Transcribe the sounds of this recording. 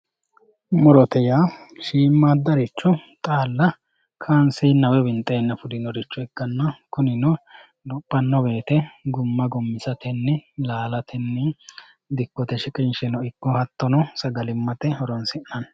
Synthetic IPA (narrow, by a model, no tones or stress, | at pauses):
mɔɾɔt̪ɛjaːʃiːmːaːd̪ːɐɾɪt͡ʃːɔt̪ʼaːlːɐ | kʰaːnsɪjnːɐwɛbɪnt̪ʼːeːnːɐfʊd̪ɪnɔɾɪt͡ʃːɔɛkːɐnːɐkʊnɪnɔ | d̪ʊpʼːɐnːɔbe̞ːt̪ɛɡʊmːɐɡɔmːɪsɐt̪ɛnːɛlaːlɐt̪ʰɛnːɛ | d̪ɪkːɔt̪ɛʃɪkʼɪnʃɛnɔɪkːɔhɐt̪ːɔnɔsɐɡɐlɪmːɐt̪ɛhɔɾɔnsɪnːɐn